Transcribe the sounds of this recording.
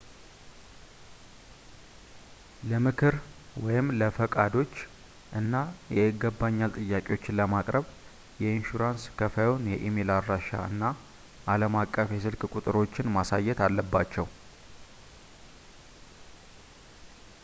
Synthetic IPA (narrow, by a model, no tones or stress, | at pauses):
ləmɨkʰɨɾwɔjɪmləfəkʼad̪o̞t͡ʃː | ʔɨnːajɛɪɡːəbːaɲːalt̪ʼɨjːakʼewo̞t͡ʃːɪnləmakʼɾəβ | jɛinʃuɾanskʰəfəjonjɛʔimelaɾːaʃa̰ɨ̰nːa | ʔaləmakʼːəfjɛsɨlkʼkʼut̪ʼɨɾo̞t͡ʃːɪnmasajːɛt̪alːəbːat͡ʃːɛw